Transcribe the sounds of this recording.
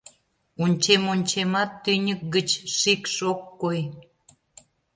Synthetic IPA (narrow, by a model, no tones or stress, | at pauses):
unʲt͡ɕemonʲt͡ɕemɑt̪ːynʲək̚ɡət͡ɕʃikʃokːoj